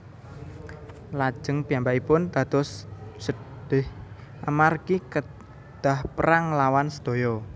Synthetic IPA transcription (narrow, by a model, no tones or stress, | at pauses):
lḁʒ̥əŋpijambaʔipʊnd̪̥ä̤d̪̥ɔssəd̪̥ɪh | ʔamarkikə | d̪̥a̤hpəɾaŋlawansə̥d̪̥o̤jɔ